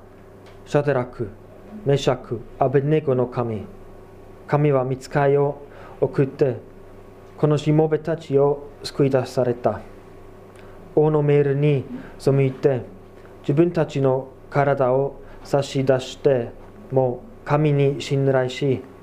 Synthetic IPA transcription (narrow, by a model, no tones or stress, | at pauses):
ɕad̪eɾakɯ̟ | me̞ɕakɯ̟abene̞ɡo̞no̞kʰamʲi | kamʲiβamʲit͡sɨ̥kaio̞ | okɯ̟t̪ːe̞ | ko̞no̞ɕimo̞be̞t̪at͡ɕio̞sɨ̥kɯ̟id̪ḁsaɾe̞t̪a | o̞ːno̞me̞ːɾɯ̟ɲ̟iso̞mɯit̪e̞ | d͡ʑibɯ̟̃nt̪at͡ɕino̞ | kaɾad̪ao | saɕid̪aɕi̥t̪e̞ | mo̞ː | kamʲiɲ̟iɕĩnɾaiɕi